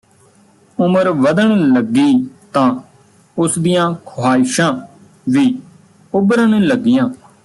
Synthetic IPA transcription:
ʊməɾʋəd̪əɳləɡiːt̪ãː | ʊsd̪ijãːkʰoaːɪʃãː | ʋiː | ʊbəɾəɳləɡːɪjãː

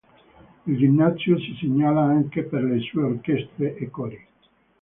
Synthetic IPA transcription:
ild͡ʒimnat̪sjosiseɲːaːlaaŋkeperlesuːeorkest̪ɾeʔekoɾe

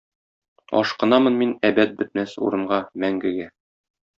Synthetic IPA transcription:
ɒ̰ʃqɤ̆nɑmɤnminæbæt̪̚bɘ̆t̪̚mæsṵɾɤ̆ɴɢɑmæŋɡɘ̆ɡæ

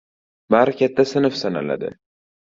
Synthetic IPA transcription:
maɾkʲat̪ʰːasɪnɪfsana̰la̰d̪ɪ̰

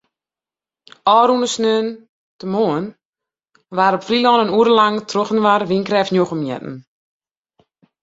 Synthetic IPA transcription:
ʔɔːɾunəsnøən | təmoən | ʋaɾɔpfrilɔːnənuəɾəlaŋtʰroxn̩ʋarʋinkrɛfnjoxəmjɛ̰tn̩

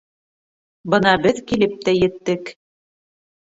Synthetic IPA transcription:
bɤ̆nɑbɘðkilɘp̚t̪æjɘ̆t̪ːɘk

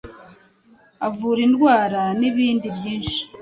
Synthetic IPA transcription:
avuːɾindɡwaːɾaniβiːndibjiːnʃi̥

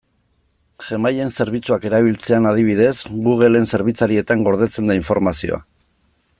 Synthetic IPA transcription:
ʝe̞maje̞nse̞ɾβ̞it͡suake̞ɾaβ̞ilt͡seanað̞iβ̞iðe̞sɣuɣ̞e̞le̞nse̞ɾβit͡saɾie̞t̪aŋɡo̞ɾð̞e̞t͡se̞nd̪aiɱfo̞ɾmasio̞̰a̰

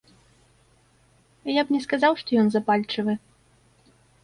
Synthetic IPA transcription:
japnʲɛskazawʂt̪ɔjɔnzapalʲt͡ʂɨvɨ

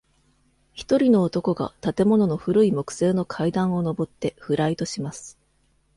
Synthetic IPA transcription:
çi̥t̪o̞ɾʲino̞ːt̪o̞ko̞ɡa̰t̪at̪e̞mo̞no̞no̞ɸɯ̟ɾɯ̟imo̞kɯ̟̥se̞ːno̞kʰaid̪ãɰ̃o̞no̞bo̞t̪ːe̞ɸɯ̟ɾait̪o̞ɕimasɨ̥

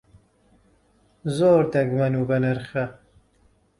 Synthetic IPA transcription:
zoːɾd̪ɐɡmɐnuɡɐnɐɾxɐ

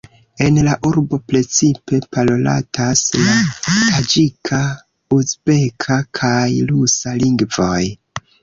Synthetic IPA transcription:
e̞nlaʔuɾbo̞pɾe̞t͡sipe̞palo̞la̰tʰaslaad͡ʒikʰa | usbe̞kʰakʰajlusaliŋɡvo̞j

